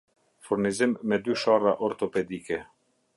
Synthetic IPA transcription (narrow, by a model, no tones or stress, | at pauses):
fuɾnizimːɛd̪yʃɔraʔɔɾt̪ɔpɛd̪ikɛ